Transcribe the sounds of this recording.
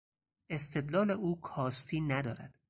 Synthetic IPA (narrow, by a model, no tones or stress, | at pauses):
e̞st̪ʰe̞d̪lɒːleʔuːkʰɒːst̪ʰiːnæd̪ɒːɾæ̰d̪̥